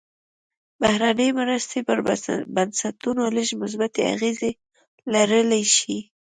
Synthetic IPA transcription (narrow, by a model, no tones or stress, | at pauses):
bahɾanəjmɾast̪epəɾbansat̪unoləʒmʊs̬bat̪ea̰ɣeze | laɾəlajʃi